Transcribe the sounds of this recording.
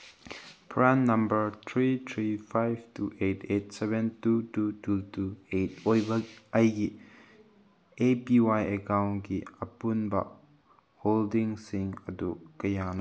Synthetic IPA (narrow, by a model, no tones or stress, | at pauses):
pʰɹanːambəɹt̪ʰɹit̪ʰɹifʰajbtuʔetet̚sɛbɛ̃ntutututuet̚ojbək̚ajɡi | epiwajəkawnɡiəpunba̰ʔ | holdiŋsiŋədukəjan